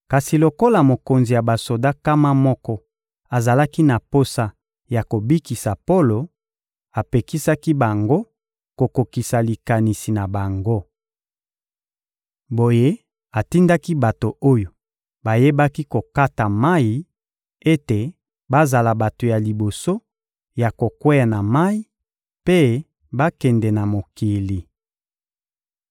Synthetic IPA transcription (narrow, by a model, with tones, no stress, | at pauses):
ka˨si˨lo˨ko˦la˨mo˨ko˨nzi˨ja˨ba˨so˨da˦ka˦ma˦mɔ˦kɔ˦ | a˨za˨la˦ki˦na˨po˦sa˦ | ja˨ko˨bi˦ki˨sa˨po˦lo˨ | a˨pe˨ki˦sa˦ki˦ba˨ŋɡo˦ | ko˨ko˨ki˨sa˨li˨ka˨ni˨si˨na˨ba˨ŋɡo˦ | bo˨je˦ | a˨ti˦nda˦ki˦ba˨to˨ʔo˦jo˨ | ba˨je˦ba˦ki˦ko˨ka˦ta˨ma˦i˨ | e˦te˨ | ba˦za˨la˨ba˨to˨ja˨li˨bo˨so˦ | ja˨ko˨kwe˦ja˨na˨ma˦i˦ | pe˦ | ba˦kɛ˨ndɛ˨na˨mo˨ki˨li˨